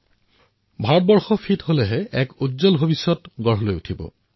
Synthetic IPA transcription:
bʱaɹ̚bɔɹxɔpʰitholɛɦɛɛkutzɔlbʱobisːɔtɡɔɹɦɔlojutʰibɔ̰

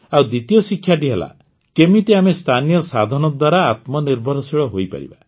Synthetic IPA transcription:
awd̪it̪ijɔsikʰːjaʈiɦela̰ | kemit̪eamest̪ʰanijɔsad̪ʱɔnɔd̪waɾaːt̪mɔniɾbʱɔɾɔsiɭɔɦojpa̰ɾḭba̰

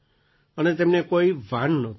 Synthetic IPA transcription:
ənet̪emnekoiʋʱanːɔt̪ʰ

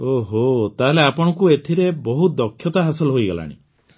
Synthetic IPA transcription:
oɦot̪aɦeleapɔɽ̃ɔkuet̪ʰiɾebɔɦut̪̚d̪ɔkʰːjɔt̪aɦasɔlɦojɡɔla̰ɽ̃ḭ

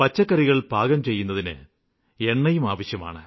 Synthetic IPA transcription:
pɐt͡ɕːɐkːɐriɣɐɭbʱaːɡɐmt͡ɕe̞jːun̪ːɐðinɨ̰ | e̞ɳːɐjumaːʋɐɕjɐma̰ːɳɨ

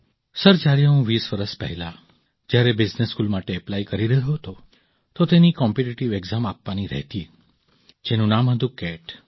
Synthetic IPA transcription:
səɾd͡ʒaɾjaũʋisʋəɾəʃpɛ̰ɦɛla | d͡ʒjaɾebɪd͡ʒneskulmaʈeɛplaikəɾiɾəɦoɦt̪o | t̪ot̪enikɔmpiʈiʈiʋeɡzamapʋaniɾɛ̰ɦt̪i | d͡ʒenũnamɦəd̪ũkɛʈ

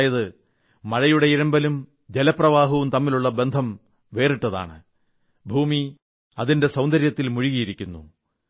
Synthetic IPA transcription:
jɐðɨ | mɐɻɐjuɽe̞iɾɐmbɐlum | d͡ʑelɐprɐʋaːɦɐʋumt̪ɐmːiluɭːɐbe̞nd̪ʱɐm | ʋe̞ːriʈːɐða̰ːɳɨ | bʱuːmi | ɐðinde̞sɐwnd̪ʱɐɾjɐt̪ːilmuɻiɣɐjiɾikʲːunːṵ

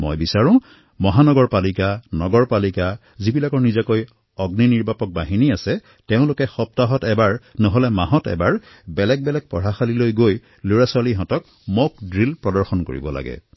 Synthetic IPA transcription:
mo̰jbisaɹʊ̃ | mɔɦanɔɡɔɹpalikanɔɡɔɹpalika | zibilakɔɹnizakoj | ɔɡniniɹbapɔk̚baɦiniasɛ | teʊ̃lʊkɛxɔp̚taɦɔtɛbaɹnɔɦɔlɛmaɦɔtɛ̰baɹ | bɛlɛk̚bɛlɛk̚pɔɹaxalilojɡoj | loɹaswaliɦɔ̃tɔk̚ | mok̚dɹilpɹɔdɔɹxɔnko̰ɹḭbɔla̰ɡɛ̰

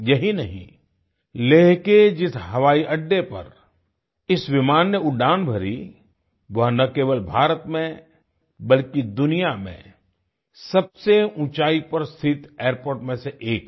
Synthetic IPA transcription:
jɐɦinɐɦḭ̃ | leːɦked͡ʒɪsɦɐʋaːiʔɐɖːepɐ̰ɾ | ɪsʋɪmaːnːeʊɖaːnbʱɐɾḭ | ʋɐɦnɐkeːʋəlbʱaːɾət̪mẽ | bɐlkid̪ʊnijamḛ̃ | sɐb̚seũːt͡ʃaːipɐɾst̪ʰɪt̪eːɾpoːɾʈmẽseʔeːk

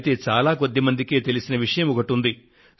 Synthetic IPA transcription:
t̪e̞ːt͡ʃaːlaːko̞d̪ːimɐnd̪ike̞ːt̪e̞lisinɐʋiʂɐjɐmuɡɐʈːund̪i

